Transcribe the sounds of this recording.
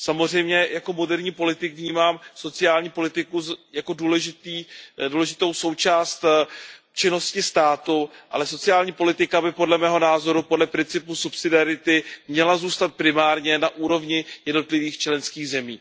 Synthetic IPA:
samozr̝ɛjmɲɛjako̞mo̞dɛɾɲiːpo̞lɪt̪ɪkvɲiːmaːmso̞t͡sɪaːlɲiːpo̞lɪt̪ɪkujako̞duːlɛʒɪt̪iːduːlɛʒɪt̪o̞wso̞wt͡ʃaːst̪ | t͡ʃɪno̞scɪst̪aːt̪uʔa̰lɛso̞t͡sɪaːlɲiːpo̞lɪt̪ɪkabɪpo̞dlɛmɛːɦo̞naːzo̞ɾupodlɛpɾɪnt͡sɪpusupsɪdɪaɾɪt̪ɪmɲɛlazuːst̪at̪̚pɾɪmaːɾɲɛnaʔuːɾo̞vɲɪjɛdno̞t̪lɪviːxt͡ʃlɛnskiːɣzɛmiː

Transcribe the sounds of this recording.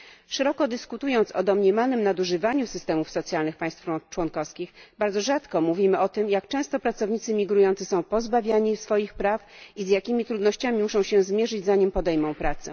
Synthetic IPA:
ʂɛɾɔkɔd̪ɘskut̪ujɔnt̪sɔd̪ɔmɲɛmanɘmnad̪uʐɘvaɲusɘst̪ɛmufsɔt̪sʲjalnɘxpaj̃st̪ft͡ʂwɔnkɔfskʲixbaɾd̪zɔʐat̪kɔmuvʲimɘʔɔt̪ɘmjak̚t͡ʂɛ̃st̪ɔpɾat̪sɔvɲit̪sɘmʲiɡɾujɔnt̪sɘsɔ̃w̃pɔzbavʲjaɲisfɔjixpɾafizjakʲimʲit̪ɾud̪nɔɕt͡ɕamʲimuʂɔ̃w̃ɕɛ̃zmʲjɛʐɘd͡ʑzaɲimpɔd̪ɛjmɔ̃w̃pɾat̪sɛ̰

